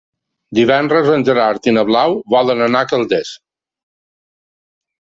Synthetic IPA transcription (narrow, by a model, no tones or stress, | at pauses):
d̪iβɛndɾəzənʲʒəɾaɾt̪inəβlawβɔlənənakəlˠd̪es